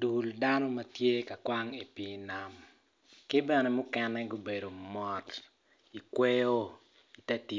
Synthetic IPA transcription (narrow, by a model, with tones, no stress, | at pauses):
du˨lda˦nɔ˦mɐ˦tje˦ka˨kwa˦ŋi˨pi˦na˦m | kɪ˦bɛ˨nɛ˨mʊ˦kɛ˦nɛ˦ɡo˦be˨do˨mɔ˨t | i˨kwe˦jo˦ | i˨tɛ˦ti˦